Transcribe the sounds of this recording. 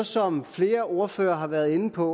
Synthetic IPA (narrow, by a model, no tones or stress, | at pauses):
sɒ̽mfle̝ːɐʔo̝ɐfø̰ːɐɦɑ̈ʋæɐðˠe̝nəpʰɒ̽